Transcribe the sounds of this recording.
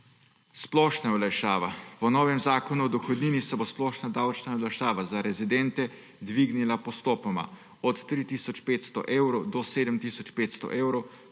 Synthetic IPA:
splɔʃnaɔlaʃaːʋapɔnɔːʋɛmzaːkɔnuɔd̪ɔxɔd̪niːnisɛbosplɔːʃnad̪awt͡ʃnaɔlaʃaːʋazaɾɛzid̪ɛnt̪ɛ | d̪ʋiɡnilapɔst̪oːpɔma̰ | ɔt̪ːɾit̪iːsɔt͡ʃpeːt̪st̪ɔ̰ʔeːwɾowd̪ɔseːd̪əmt̪isɔt͡ʃpeːt̪st̪ɔ̰ʔeːwɾow

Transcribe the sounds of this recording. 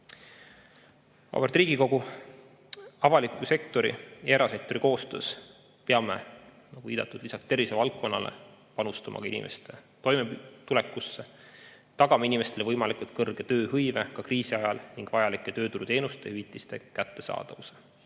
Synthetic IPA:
ɑ̰bert̪ˑriːɡ̥iko̞ɡ̥u | ɑvɑlikːˑuse̞k̚t̪o̞ɾḭeɾɑsek̚t̪o̞ɾiko̞ːst̪øːs | peɑme̞̰ | nɑɡ̥uviːd̪ɑt̪ːˑud̪̥lisɑkst̪e̞rvise̞vɑlt̪̚kːo̞nːɑlḛpɑnust̪ɑmʔɑ̰kɑinḭmʔe̞̰st̪e̞t̪o̞jmet̪ule̞kːˑusːe | t̪ɑɡɑmɑinime̞st̪e̞levɤjmɑlikult̪̚kɤrɡ̥et̪ø̞ːɦɤjve̞kɑkriːsiɑjɑlniŋɡ̥vɑjɑlikːˑe̞t̪ø̞ːt̪uɾut̪e̞ːnust̪e̞yvit̪ːˑist̪e̞kæt̪ːe̞̥sɑ̰ːd̪̥ɑvuse̥

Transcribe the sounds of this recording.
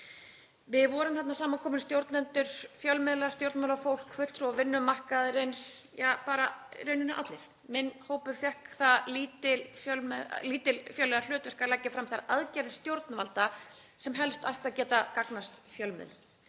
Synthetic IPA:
vɪðvɔːɾʏmθɛt̪nasaːmakʰɔːmʏnst̪jowɾt̪nɛnt̪ʏɾ̥fjœlmɪðlḁst̪jowɾt̪maːlafowl̥kʰfʏ̥t̪ɾɔvɪnːʏmar̥kaðɾejnsjapaːɾaɾœːɥnɪnɪʔa̰t̪lɪf | mɪnːhoːwpʏɾfjɛhkθaðliːt̪ɪlfjœlmliːt̪ɪlfjœwlːɛɣaɾl̥ʏːt̪vɛr̥kaɾlajcːɪfɾamθaɾaðcɛɾɪst̪jowɾt̪navalt̪a | sɛmɦɛlst̪ajht̪aðcɛːt̪akaknast̪fjœlmɪ̰ðl

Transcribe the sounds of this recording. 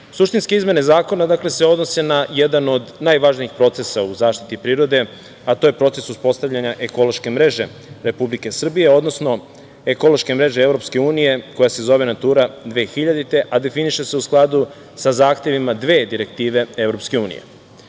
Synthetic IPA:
suʃt̪inskeizme̞ne̞zaːko̞nad̪akle̞seo̞d̪no̞se̞naje̞d̪ano̞d̪najʋaʒniixpɾo̞t̪sesauzaːʃt̪i̥t̪ipɾiːɾo̞d̪e̞ | at̪oːje̞pɾo̞t̪se̞suspo̞st̪aʋʎʲaɲaʔe̞ko̞loʃke̞mɾe̞ʒe̞ | ɾe̞publike̞sr̩bije̞o̞d̪no̞sno̞ | eko̞lˠo̞ʃke̞mɾeʒe̞evɾo̞pske̞uːnije̞ko̞jase̞zo̞ʋe̞nat̪uːɾad̪ʋeːxiʎad̪it̪e̞ʔad̪e̞finiʃe̞se̞usklˠad̪u | sazaːxt̪e̞ʋimad̪ʋe̞ːd̪iɾe̞k̚t̪iːʋe̞e̞ʋɾo̞pske̞uːnḭje̞̰

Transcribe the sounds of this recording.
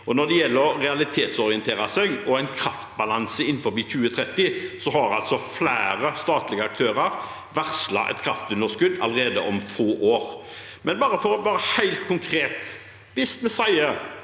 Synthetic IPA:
ɔnɔd̪ɛjɛlːəɾɛɑlɪt̪ʰeːt̪sɔɾɪɛnt̪ʰeːɾɑsɛɡɔæɪnkʰɾɑft̪bɑlɑnsəɪnːfɔɾbiːçʉːət̪ʰɾɛt̪ːɪsɔɦɑɾɑ̰lt̪sɔflæːɾəst̪ɑːt̪lɪɡəɑk̚t̪ʰøːɾɑɾ | ʋæʁslɑ̰ʔɛ̰t̪kʰɾɑft̪ʉnd̪əskʉd̪ːɑ̰ləɾeːd̪əʔɔmfoːʔoːɾ | mɛnbɑːɾəfɔɾɔʋɑːɾəhæɪlt̪̚kʰʊŋkʰɾeːt̪ | ʋɪst̪mɛsæɪə

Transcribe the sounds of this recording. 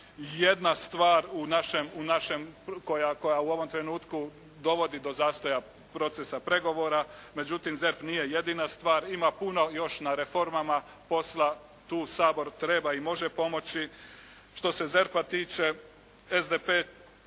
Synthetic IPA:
je̞d̪nast̪ʋaːɾunaʃe̞munaʃe̞mko̞jako̞jauo̞ʋo̞mt̪ɾe̞nuːt̪ku | d̪o̞ʋo̞d̪id̪o̞zaːst̪o̞ja | pɾo̞t̪sesapɾe̞ɡo̞ʋo̞ːɾame̞d͡ʑut̪imze̞ɾpnije̞je̞d̪iːnast̪ʋaːɾimapuno̞jo̞ʃnaɾefo̞ɾmama | po̞slˠa | t̪uːsaːbo̞ɾt̪ɾe̞baimo̞ʒe̞po̞mo̞t͡ɕi | ʃt̪o̞se̞ze̞ɾpat̪iːt͡ʃe̞ | ezd̪epeː

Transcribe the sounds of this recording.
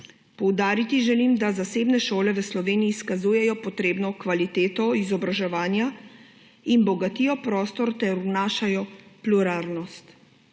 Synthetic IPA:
pɔwd̪aːɾit̪iʒɛlimd̪azaseːbnɛʃoːlɛʋəslɔʋeːniiːskazuːjɛjɔpɔt̪ɾeːbnɔkʋalit̪eːt̪ɔizɔbɾaʒɛʋaːnja | inbɔɡat̪iːjɔpɾɔːst̪ɔɾt̪ɛɾunaːʃajɔpluɾaːlnɔst̪

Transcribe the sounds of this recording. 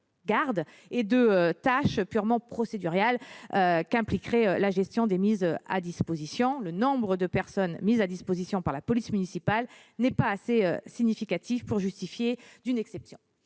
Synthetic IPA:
ɡaʁd̪ | ed̪əøt̪aʃpyʁmɑ̃pχɔsed̪yʁjaløkɛ̃plikχɛølaʒɛst̪jɔ̃d̪emizøa̰d̪ispozisjɔ̃lənɔ̃bʁəd̪əpɛʁsɔnmizad̪ispozisjɔ̃paʁlapɔlismynisipal | nɛpaːseøsiɲifikat̪ivpuʁʒyst̪ifjed̪ynɛksɛpsjɔ̃

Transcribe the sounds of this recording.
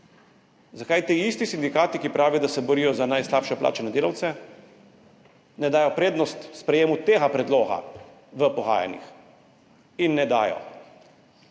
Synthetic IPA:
zakajt̪iːist̪isind̪ikaːt̪ikipɾaːʋijɔd̪asɛbɔɾijɔzanajslaːpʃɛplʔa̰ːt͡ʃɛnɛd̪eːlawt̪sɛ | nɛd̪aːjɔpɾeːd̪nɔst̪spɾɛjeːmut̪eːɣapɾɛd̪loːɣa̰ | ʋəpɔɣa̰ːja̰nḭx | inːɛd̪a̰ːjɔ̰

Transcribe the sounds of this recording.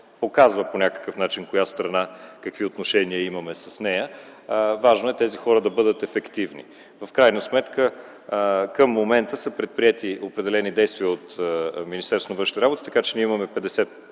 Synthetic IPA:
pokazvəponʲakə̥kəfnat͡ʃinkojast̪ɾɐnakɐkviot̪noʃɛniəimɐmɛsɐsnɛjə | vaʒnoɛt̪ɛzixɔɾəd̪ɐbɤd̪ət̪ɛfɛkt̪ivnḭ | vɐfkɾajnəsmɛt̪kə | kəmːomɛnt̪əsəpɾɛt̪̚pɾiɛt̪iopɾɛd̪ɛlɛnid̪ɛjst̪viəot̪minist̪ɛɾsonɐvɤnʃit̪iɾabot̪i̥t̪ɐ̥kat͡ʃɛniəimɐmɛpɛd̪ɛsɛt̪̚

